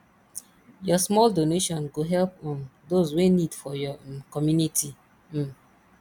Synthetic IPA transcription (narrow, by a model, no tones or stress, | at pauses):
jɔsmɔldoneʃɔ̃nɡoɦɛlpɔ̃ndozwenidfɔjɔkɔmjunitʰi